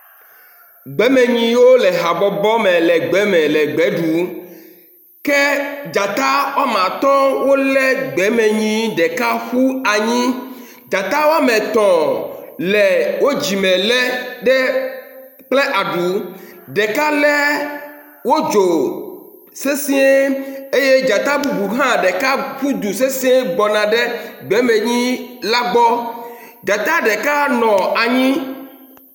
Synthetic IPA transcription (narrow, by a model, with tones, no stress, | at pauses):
ɡ͡bɛ˨˦mɛ̃˨ɲĩ˦wo˦lɛ˨ɦa˨bɔ˨bɔ˦mɛ̃˨lɛ˨ɡ͡bɛ˨˦mɛ̃˨lɛ˨ɡ͡bɛ˨˦ɖu˨˦ | kɛ˦d͡ʒa˨t̪a˦wa˦mã˨t̪ɔ˦wo˦lɛ˦ɡ͡bɛ˨˦mɛ˨ɲĩ˦ɖɛ˨ka˦xu˦a˨ɲĩ˦ | d͡ʒa˨t̪a˦wa˦mɛ̃˨t̪ɔ̃˨lɛ˨wo˦d͡ʑi˨mɛ̃˨lɛ˦ɖɛ˦ | k͡plɛ˦ʔa˨ɖu˨˦ɖɛ˨ka˦lɛ˦ | wo˦d͡ʒo˨ | se˦si˦e˦e˦je˦d͡ʒa˨t̪a˦bu˦bu˨ɦã˦ɖɛ˨ka˦ɸu˦d̪u˨se˦sĩ˦e˦ɡ͡bɔ˨nã˨ɖɛ˦ɡ͡bɛ˨˦me˨ɲĩ˦la˦ɡ͡bɔ˦ | d͡ʒa˨t̪a˦ɖɛ˨ka˦nɔ̃˨a˨ɲĩ˦